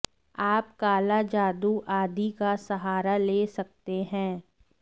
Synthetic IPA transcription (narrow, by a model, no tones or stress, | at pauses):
aːpkaːlad͡ʒaːd̪uʔaːd̪ikasɐɦaːɾaleːsɐk̚t̪eɦɛ̃ː